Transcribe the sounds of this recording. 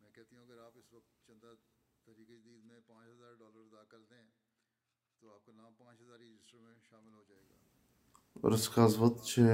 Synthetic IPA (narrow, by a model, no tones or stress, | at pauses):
mɛ̃ːkɛɦt̪iɦũɐɡəɾaːpɪsʋɐk̚t̪t͡ʃɐ̃nd̪at̪ɐɾiːked͡ʒəd̪iːd̪mẽpãːt͡ʃɦɐzaːɾɖɔːləɾd̪aːkɐɾt̪eɦɛ̃ː | t̪oaːp̚konãːmpãːt͡ʃɦɐzaːɾɾd͡ʒɪsʈəɾmẽʃaːmɪlɦod͡ʒaːeːɡa̰ː | ɔ̰ɾɪskaɪzmət̪t͡ʃː